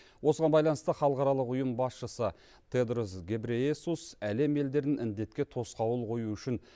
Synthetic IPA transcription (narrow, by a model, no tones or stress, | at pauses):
wo̞səʁɑnbɑjlˠɑnəst̪əχɑlˠəqɑɾɑlˠəqʊjəmbɑsʃəsə | t̪ʰed̪ɾusɡʲe̞bɾeesusæle̞me̞ld̪e̞ɾd̪ɪnɪnd̪e̞t̪kʲe̞t̪ʰo̞sqɑwəlˠqʰo̞juʏʃɪn